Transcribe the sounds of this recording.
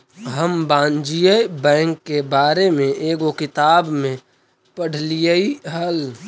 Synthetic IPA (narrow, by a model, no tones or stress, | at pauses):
ɦəmbãːnd͡ʒijəbɛ̃ːŋkːebaːɾemẽʔeːɡokɪt̪aːbmẽ | pəɽ̤lijəiɦəl